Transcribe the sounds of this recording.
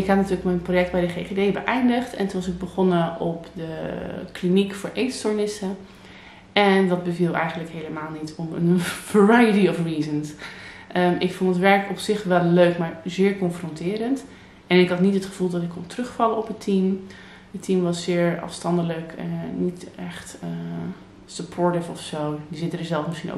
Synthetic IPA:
ɪkɦɑtnatyːɹləkmɛnprojɛk̚d̚bɛjdəχeːχedejbəʔɛjndəχtɛ̰ntunɑsɪɡ̚bəχɔnəʔɔpdəklinikfʊːɹʔejtstoɹnɪsə | ɛndɑd̚bəvilˠɛ̰jχəndləkɦeləmaːlˠnitʰɔmə̰nvəɹajətiɔfriːzənsʔəɪkfɔntətʋɛɹkɔpsɪχʋɛlˠːøɥkmaːɹzɪːɹkɔnfrɔntɪːɾənt | ɛnɪkɦɑtnitɦətχəv̥ulˠdɑtɪkʰːɔntrɵχfɑləɔpətʰim | ətːimʋɑsːɪːɹɑ̰fstɑndələknitɛχtə | səpʰɔɹtɪfɔfsowdizɪtənəzɛlˠfməsχino̰

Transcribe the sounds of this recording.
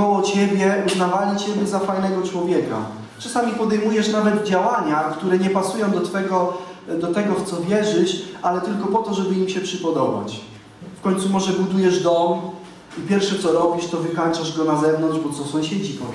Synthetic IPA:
ɔwɔt͡ɕɛbʲjɛuznavalʲit͡ɕɛbʲjɛzafajn̪ɛɡɔt͡ʂwɔvʲjɛka̰ | t͡ʂasamʲipɔd̪ɛjmujɛʂnavɛd̪d͡ʑawaɲakt̪uɾɛɲɛpasujɔ̃w̃d̪ɔt̪fɛɡɔ | d̪ɔt̪ɛɡɔft̪sɔvʲjɛʐɘt͡ɕalɛt̪ɘlkɔpɔt̪ɔʐɛbɘimɕɛpʂɘpɔd̪ɔba̰t͡ɕ | fkɔɲt̪sumɔʐɛbud̪ujɛʐd̪ɔm | ipʲjɛɾfʂɛt̪sɔɾɔbʲiʂt̪ɔvɘkant͡ʂaʐɡɔnazɛvnɔnʐbɔt̪sɔsɔ̃w̃ɕed͡ʑit̪ɔ

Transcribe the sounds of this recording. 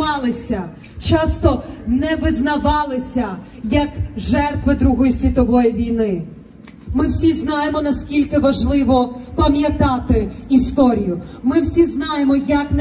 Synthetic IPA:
ɑlˠɪsʲɐ | t͡ʃɑst̪ɔnɛʋɪznɐʋɑlˠɪsʲɐ | jɐkʒɛrt̪ʋɪd̪ɾuɦɔjisʲʋʲit̪ɔʋɔjiʋʲijnɪ | mɪwsʲiznɑjemɔnɐskʲilʲkɪʋɐʒlˠɪʋɔpɐmʲjɐt̪ɑt̪ɪist̪ɔɾʲijʊmɪwsʲiznɑjemɔjɐkn

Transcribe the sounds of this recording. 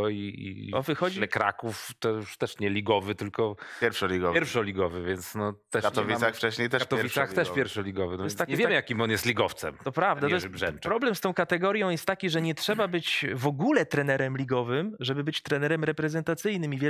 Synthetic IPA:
ɔiḭɔvɨxɔd͡ʑilɛkɾa̰kuft̪ɔjuʂt̪ɛʂɲɛlʲiɡɔvɘt̪ɘlkɔpjɛɾfʂɔlʲiɡɔɛɾfʂɔlʲiɡɔvɘvʲjɛnt̪snɔt̪ɛkat̪ɔvʲisaxft͡ʂɛɕɲejt̪ɛat̪ɔvviaxt̪ɛʂpjɛɾfʂɔlʲiɡɔvɘnɔjɛsakɲivʲjɛmjakʲimɔnjɛst̪lʲiɡɔft̪sɛmt̪ɔpɾavd̪at̪ɔjʐɛnɾɔblɛmst̪ɔ̃w̃kat̪ɛɡɔɾjɔ̃w̃jɛst̪ːakʲiʐɛɲɛtʂɛbabɘt͡ɕvɔɡulɛt̪ɾɛnɛɾɛmlʲiɡɔvɘmʐɛbɘbɘt͡ɕt̪ɾɛnɛɾɛmɾɛpɾɛzɛnt̪at̪sɘjnɘmivʲjɛ

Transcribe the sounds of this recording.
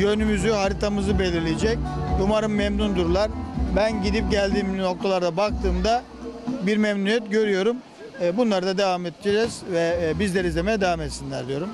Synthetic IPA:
jønymyzyɦaɾit̪ʰamɯzɯbe̞lʲiɾlʲijed͡ʒɛc̚umaɾɯmːemnund̪uɾlˠaɾbænɟid̪ip̚ɟælʲd̪iːmno̞k̚t̪ʰalˠaɾd̪abak̚t̪ʰɯːmd̪a | biɾmɛmnujɛt̪ɟø̞ɾyjo̞ɾumː | bunlˠaɾɯd̪ad̪evamet̪ʰːd͡ʒɛz̥vɛbizlʲeɾizemɛd̪evamet̪sinlʲæɾd̪ijo̞ɾum

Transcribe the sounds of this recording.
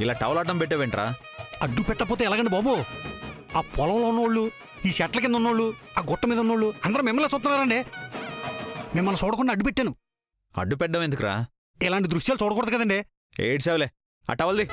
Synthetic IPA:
ilaːʈɐʋlaːɖɐmpɛʈ̬ːaːʋeɳʈiɾa̰ː | ɐɖːupɛʈːɐp̬oːt̪eːlaːɡɐɳɖibaːbu | aːpʰɔlɐʋloːunːɐːɭːu | iːʃɛʈɐlɐk̬enɐunːoːɭːuaːɡɔʈːɐmiːd̪ɐunːoːɭːuɐnd̪ɐɾɐmimːɐlːeːt͡ʃuːt̪unːaːɾɐɳɖi | mimːɐlɐt͡ʃɔːɽɐk̬uɳɖaːɐɖːupeʈːaːnu | ɐ̰ɖːupɛɖːɐmend̪ukɾa̰ː | ɛlaːɳʈid̪ɾuʂjaːlut͡ʃɔːɽɐk̬ɔːɽd̪ukɐd̪ɐɳɖi | ḛːʈseːʋɐle | a̰ːʈɐʋɐld̪i

